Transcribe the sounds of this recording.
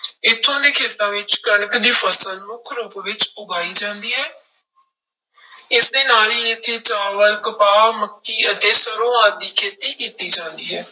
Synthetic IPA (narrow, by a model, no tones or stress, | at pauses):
ɪt̪ʰːõːd̪eːkʰeːt̪ãːʋɪt͡ʃkəɳəkd̪iːfʰəsəlmʊkʰɾoːbʋɪt͡ʃʊɡaːiːd͡ʒãːnd̪iːɦɛː | ɪsd̪eːnaːliːɪt̪ʰːeːt͡ʃaːʋəɾkəpaːməkːiːət̪eːsəɾõːãːd̪iːkʰeːt̪iːkiːt̪iːd͡ʒãːnd̪iːɦɛː